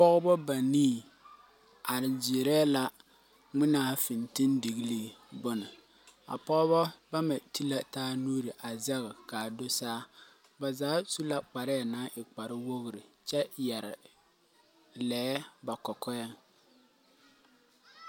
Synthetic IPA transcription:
pɔ˦ɣbɔ˦ba˨niː˦˨ | a˨ɾɪ˨d͡ʒɪ˨ɾɛː˦la˦ | ŋɪ˦naː˦fɪ˨ntɪ˦ndi˨ɣi˦leː˦bʊ˦nɪ˨ | a̰˨pɔ˦ɣbɔ˦ba˦mɛ˨ti˦la˦taː˦nuː˦ɾɪ˨ʔa˨zɛ˦ɣɪ˨ka˨dʊ˦saː˦ | ba˨zaː˨˦su˦la˦k͡pa˨ɾɪ˦a˨naː˨˦ʔɪ˨k͡pa˨ɾɪ˦wo˦ɣʊ˨ɾɪ˨t͡ʃɛ˦jɛ˨ɾɪ̰˨ | lɛː˨˦ba˨kɔ˨kɔ˦ja˦ŋ

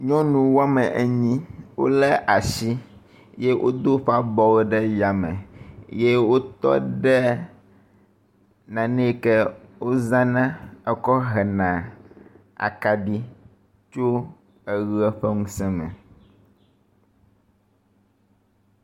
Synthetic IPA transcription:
ɲɔ̃˦nũ˨wo˦a˦mɛ˨ʔe˦ɲĩ˦wo̰˦lɛ˦ʔa˨ʃi˦ | je˦wʔo̰˦d̪o˦ɸa˦bɔ˦wo˦ɖɛ˦ja˨mɛ̰̃˨je˦wo˦t̪ɔ̰˦ɖɛ˦ | nã˨nɛ̃˦kɛ˦wo˦zã˦nã˦ɛ˨kɔ˦ɦɛ˨nã˨ | a̰˨ka˨ɖi˦ | t͡ʃo˦ | ɛ˨ɣi˦ɛ˦ɸɛ˦ŋũ˦sɛ̃˦mɛ̰̃˨

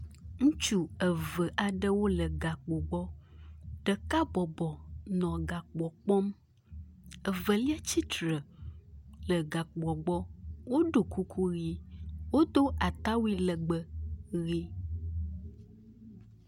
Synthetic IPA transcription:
ŋũ˦t͡ʃu˦ə˨və˨ʔa˨ɖə˦wo˦lə˨ɡa˨k͡po˨ɡ͡bɔ˦ | ɖ̥ə˨ka˦bɔ˨bɔ˨nɔ̃˨ɡa˨k͡pɔ˨k͡pɔ˦m | ə˨və˨li˦a˦t͡ɕi˦t̪ɾə˨ | lə˨ɡa˨k͡pɔ˨ɡ͡bɔ˦wo˦ɖo˨ku˦kʰu˦ɣi˦wo˦d̪o˦ʔa˨t̪a˦wi˦lə˨ɡ͡bə˨ɣi˦

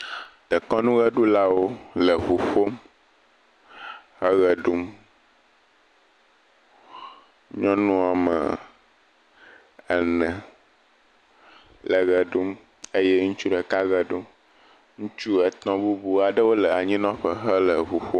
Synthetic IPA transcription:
t̪ə˨kɔ̃˦nũ˦ɣɛ˦ɖu˦la˦wo˦lə˨ɸu˨ɸo˦m | hɛ˦ɣɛ˨ɖu˦m | ɲɔ̃˦nũ˦a˨mə̰˨ | ɛ˨nɛ̃˨ | lɛ˨ɣɛ˨ɖu˦m | e˦jɛ˦ŋũ˦t͡ʃu˦ɖɛ˨ka˦ɣɛ˨ɖo˦ | ŋũ˦t͡ʃu˦ɛ˨t̪ɔ̃˦bu˦bu˦a˨ɖə˦wo˦lə˨a˨ɲĩ˦nɔ̃˦ɸə˨ɦə˦lə˨ɸu˨ɸo˦

